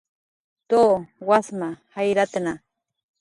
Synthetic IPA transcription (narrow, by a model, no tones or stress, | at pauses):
t̪oːwasmahajɾat̪ana